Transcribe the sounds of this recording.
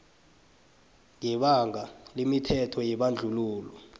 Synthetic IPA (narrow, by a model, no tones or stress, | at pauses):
ŋɛɓaŋʱalemitʰɛtʰɔjɛɓand͡ɮʱuluːlɔ